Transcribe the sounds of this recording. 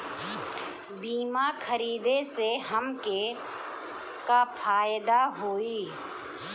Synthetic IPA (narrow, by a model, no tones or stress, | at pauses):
biːmakʰəɾiːd̪eseɦəmke | kapʰaːjd̪aɦoːiː